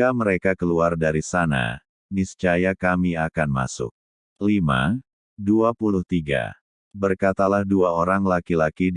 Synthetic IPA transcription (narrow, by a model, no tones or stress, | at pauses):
aməɾekakəluardaɾisana̰ | mist͡ʃajakamiakanma̰sʊ̰k̚ | lima̰ | duapulʊht̪iɡa̰ | bərkat̪alahduaoɾaŋlakilaki